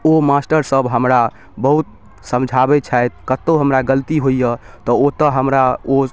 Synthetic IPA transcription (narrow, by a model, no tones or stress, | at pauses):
omasʈəɾsəbɦəmɾa | bəɦut̪̚ | səmd͡ʒʱabɛt͡ʃʰajt̪̚kət̪ːoɦəmɾaɡəlt̪iɦojə | t̪ɔot̪əɦəmɾao